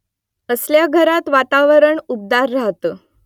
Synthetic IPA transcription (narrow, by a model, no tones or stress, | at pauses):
əsljaɡʱəɾat̪ʋat̪aʋəɾəɳup̚d̪aɾːaɦt̪ə